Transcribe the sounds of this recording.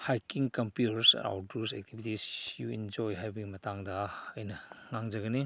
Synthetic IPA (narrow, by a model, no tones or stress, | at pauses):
hajkiŋkɐmpjutɾsɾa̰wdusek̚tʰibʱitisjuḭnd͡ʒojɦajbɐɡimɐtaŋdɐɐjnɐŋaŋd͡ʒɐɡɐni